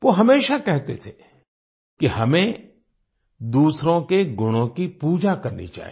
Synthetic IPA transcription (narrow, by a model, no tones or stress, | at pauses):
ʋoːɦɐmeːʃakɛɦt̪et̪ʰe | kiɦɐmẽ | d̪uːsɾõkeɡʊñõkipuːd͡ʒakɐɾnḭt͡ʃa̰ːɦḭ